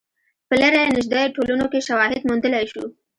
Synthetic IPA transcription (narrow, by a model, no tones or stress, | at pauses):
pəlaɾajenɪʒd̪ejoʈolunokeʃawɑɦɪd̪mund̪əlajʃu